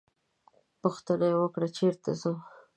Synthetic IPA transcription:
poxt̪ənajwəkɽat͡ʃeɾt̪azo

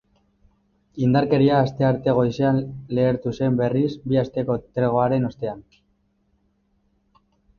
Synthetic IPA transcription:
ind̪aɾke̞ɾiaːst̪e̞aɾt̪e̞ɣ̞o̞jseanle̞ːɾt̪use̞mbe̞risbiast̪e̞ko̞t̪ɾeɣ̞o̞aɾe̞no̞st̪e̞an

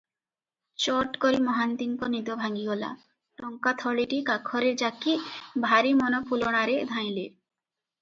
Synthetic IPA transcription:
t͡ɕɔʈkoɾimɔɦant̪iŋkonid̪obʱaɡiɡɔla̰ | ʈɔŋkat̪ʰɔɭiʈikakʰːɔɾiɾd͡ʒakːibʱaɾimɔnopuloɽ̃aɾed̪ʱãj̃le

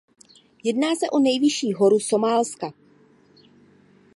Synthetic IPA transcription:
jɛdnaːsɛʔo̞nɛjvɪʃiːɦo̞ɾuso̞maːlska

